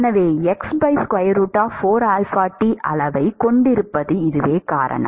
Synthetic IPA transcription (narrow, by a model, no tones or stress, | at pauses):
nɐʋeːɛksbɐɪskʋɐjɐɾuːʈːaːfoːɾaːlfaːʈːiʔɐ̰lɐʋɐɪkɔɳɖɪɾɯpːɐðɯɪðɯʋeːka̰ːɾɐ̰ɳɐ̰